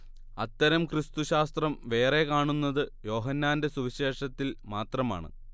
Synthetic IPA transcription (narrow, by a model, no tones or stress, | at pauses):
ɐt̪ːɐɾɐmkrist̪uɕaːst̪rɐmʋe̞ːre̞kaːɳunːɐðɨjo̞ːɦɐnːaːnde̞suʋiɕe̞ːʂɐt̪ːilmaːt̪rɐma̰ːɳɨ̰